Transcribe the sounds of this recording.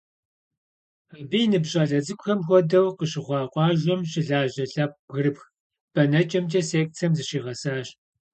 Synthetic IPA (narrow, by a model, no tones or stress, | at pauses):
abijnɨbɕʼaːɮɐzɨkʷʊxɐmxʷɔdɐwqəɕɪʁʷɑːqʷʼɑːʒʷɔmɕɪɮaːʑɐɬɐp̚ɣɨrɨpx | b̥ɐnɐt͡ʃʼɐmt͡ʃʼɐseːk̚t͡sʰɐmzɨɕiːʁɐsaːɕ